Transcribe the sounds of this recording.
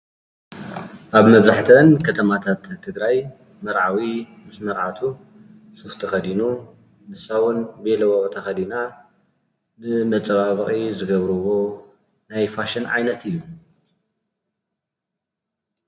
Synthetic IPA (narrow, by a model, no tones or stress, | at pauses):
ʔaβmɐβzaħt̪ʰɐnkʰɐt̪ʰɐmat̪ʰat̪ʰːɨɡɾaj | mɐɾʕawi | mɨsmɐɾʕat̪ʰu | suxt̪ʰɐxɐd̪inu | mɨsawunbelɐwɐʔt̪ʰɐxɐd̪ina | nɨmɐt͡sʼɐβaβɨχʼizɨɡɐβɾɨwo̞ | najfaʃɐnʕa̰jnɐt̪ʰɨjːu